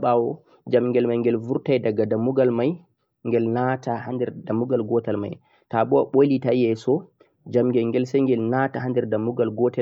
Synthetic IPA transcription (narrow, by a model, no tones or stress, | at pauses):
ɓawɔ | d͡ʒamŋɡɛlmajŋɡɛlvuɾtajdaɡadamuɡalmaj | ŋɡɛlnatahandɛɾdamːuɡalɡɔtalma̰j | tabɔwa̰ɓolitajɛsɔ | d͡ʒamŋɡɛlŋɡɛlsɛŋɡɛlnataɦandɛɾdamːuɡalɡɔtɛ